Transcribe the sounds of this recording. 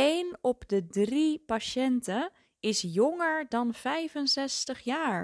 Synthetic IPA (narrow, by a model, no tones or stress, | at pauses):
ejnɔpdədripaʃɛntə | ɪsjɔŋəɹdɑnv̥ɛjvənsɛstəχjaːɹ